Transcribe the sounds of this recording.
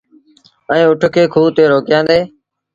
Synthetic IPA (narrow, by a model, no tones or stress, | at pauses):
əẽːʊʈʰkʰeːkʰuːt̪eːɾoːkɪjãːnd̪eː